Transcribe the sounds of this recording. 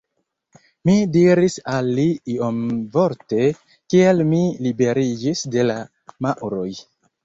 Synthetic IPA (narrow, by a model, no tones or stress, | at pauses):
midiɾisalːiiomvoɾte̞ | kialmilibe̞ɾid͡ʒisde̞la | maʔɾo̞j